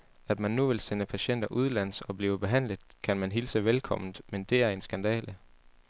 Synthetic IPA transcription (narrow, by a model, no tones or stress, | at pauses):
æd̥mænːuʋe̝lsenəpʰæɕen̰d̥ɐʔuð̞ˠlæn̰sɒ̽b̥liːəb̥e̝ɦæn̰ləð̩ˠkʰænmænɦilsəʋelkʰɒ̽m̰n̩ˠmend̥e̝æɐe̝nsɡ̥ænd̥ɛ̰ːlə